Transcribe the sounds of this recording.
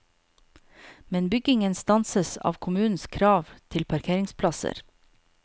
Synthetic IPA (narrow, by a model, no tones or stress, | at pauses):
mɛnbʏɡɪŋənst̪ɑnsəsɑ̰ːʋkʰʊmʉːn̩skʰɾɑːʋt̪ʰɪlpʰɑɾkʰeːɾɪŋspʰlɑsə̰ɾ